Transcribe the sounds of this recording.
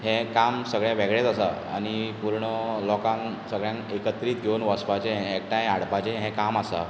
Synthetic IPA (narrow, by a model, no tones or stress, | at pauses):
ɦɛ̃kamsəɡɭjãʋeɡɭet̪əsa | a̰nipuɾɳəlɔkãn | səɡɭjãŋkekət̪ɾiːt̪ɡʱewnʋəspat͡ɕẽɦek̚ʈãjaɽpat͡ɕẽɦɛ̃kamasa̰